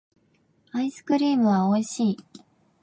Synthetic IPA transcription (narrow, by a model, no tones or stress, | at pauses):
aisɨ̥kɯ̟ɾʲiːmɯ̟βaoiɕiː